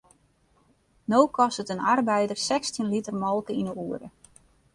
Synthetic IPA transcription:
nowkɔsətənarbɛjdərsɛkstinlitərmɔlˠkəinəuəɾə̰

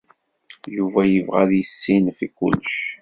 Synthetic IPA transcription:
juvæjəvʁæ̰ðjəsːinfikʊ̰lːʃ

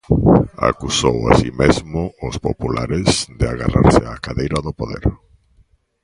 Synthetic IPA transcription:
a̰kusowa̰simezmʊʊspo̰pulaɾɪzðeaɣaraɾsɪakaðejɾaðʊpoðeɾ

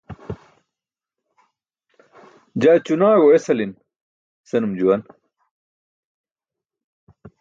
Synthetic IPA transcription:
d͡ʑaːt͡ɕunaːɣoesɐlin | sɐnumd͡ʑuwɐn

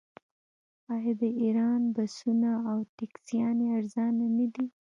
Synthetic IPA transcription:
ɑjɑd̪əiɾɑnbasunaːwt̪ɪksjɑneaɾzɑnanad̪i

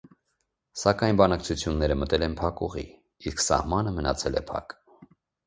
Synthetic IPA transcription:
sɑkɑjnbɑnɑk̚t͡sʰut͡sʰjunːɛɾəmət̪ɛlɛnpʰɑkuʁḭ | isksɑ̰hmɑnəmənɑ̰t͡sʰɛlɛ̰pʰɑ̰k

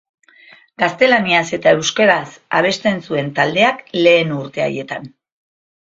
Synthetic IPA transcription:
ɡ̥ast̪e̞laniase̞t̪ae̞wskaɾasaβ̞e̞st̪e̞nsue̞nt̪ald̪eakle̞ːnuɾt̪e̞a̰je̞t̪an

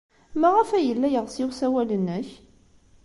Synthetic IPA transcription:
mæʁæfæjəlːæjəʁsɪwsæwælənːəç

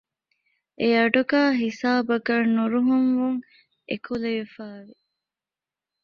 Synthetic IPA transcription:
ʔeɐɖuɡaːɦisaːbɐɡɐɾnuɾuɦuŋʋuŋ | ḛkʰuleʋifaːʋi

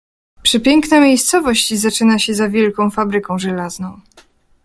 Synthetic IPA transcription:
pʂɘpʲjɛŋknamʲejst̪sɔvɔɕt͡ɕizat͡ʂɘnaɕɛzavʲjɛlkɔ̃w̃fabɾɘkɔ̃w̃ʐɛlaznɔ̃w̃

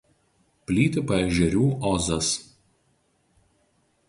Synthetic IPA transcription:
pʲlʲiːt̪ʲɪpɐɛʒʲɛɾʲuːʔɔzɐs

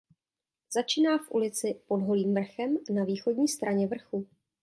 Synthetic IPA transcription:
zat͡ʃiːnaːfʔṵlɪt͡sɪpo̞dɦo̞liːmvr̩xɛmnaviːxo̞ɟɲiːst̪ɾaɲɛvr̩xu

